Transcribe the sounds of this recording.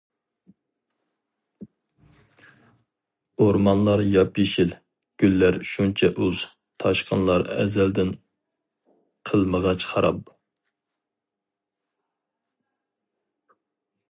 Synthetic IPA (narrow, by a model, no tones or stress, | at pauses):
oɾmɑnlˠɑɾjɑpjiʃil | ɡ̥ʲylːæɾʃunt͡ʃʰɛʔøz̥ | t̪ʰɑʃqʰənlˠɑɾɛ̰zɛld̪ɪn | qʰəlˠməʁɑt͡ʃχɑɾɑp̚